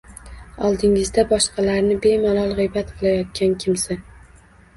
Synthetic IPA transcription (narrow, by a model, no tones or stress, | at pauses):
ɒlˠd̪ɪŋɪzd̪abɒʃqɑlaɾnɪbe̞malɒlˠʁɨjbat̪qʰɨlˠajɒt̪̚kʲankʲʰɪmsa